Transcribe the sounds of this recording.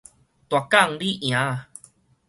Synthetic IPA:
t̪wa˨ka˥˧˨ŋli˦ʔj̃ã˨˦

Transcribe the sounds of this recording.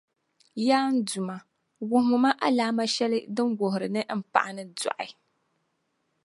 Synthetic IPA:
jaː˦n̩˦du˨ma˨ | wʊ˨ɦʊ˨ma˦ʔa˦laː˦ma˦ʃɛ˦lɨ˦dɨ˦mɡo˨ɦʊ˨ɾɨ˨nɨ˦m̩˦pa̰˨ʔa˨nɨ˦dɔ̰˨ʔɪ˨

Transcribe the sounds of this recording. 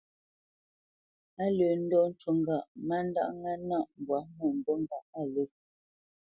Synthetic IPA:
a˦lə˨n̩˦dɔ˦n̩˦twu˨ŋ˨ɡa˨ʔma˦n˦da̰˦ʔŋɛ˦na˦˨ʔm˨bwa˨˦mu˦˨n̩˨do˦ŋ˦˨ɡa˨ʔa˦˨lə˦

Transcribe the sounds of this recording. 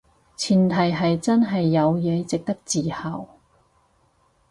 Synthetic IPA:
t͡sʰiː˨˩nt̪ʰɐ˨˩jɦɐ˨jt͡sɐ˥nɦɐ˨jːɐ˨˧wjɛː˨˧t͡sɪ˨k̚t̪ɐ˥k̚t͡siː˨˩hɐ˨˩w

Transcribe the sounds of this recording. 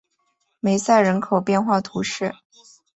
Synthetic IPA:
me˧˥ɪsa˥˩ɪɻə˧˥nkʰo˨˩ʊpjɛ˥˧nxwa˥˩t̪ʰu˧˥ʂɻ̩˥˩

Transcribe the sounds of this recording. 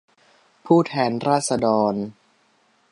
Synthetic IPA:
pʰuː˥˩t̪ʰɛː˧nɾaː˥˩t̪̚sa˧dɔː˧n

